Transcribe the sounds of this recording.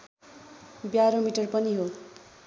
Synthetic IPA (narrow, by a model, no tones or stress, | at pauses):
bjaɾomiʈʌrpʌniɦo